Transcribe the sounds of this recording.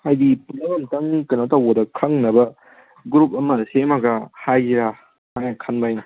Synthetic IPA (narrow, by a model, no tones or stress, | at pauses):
hajdipulɐwantɐŋkɐnawtaodɐkʰɐŋnɐbɐ | ɡɾup̚ɐmɐsemɐɡɐhajɾa | ajnakʰanbajn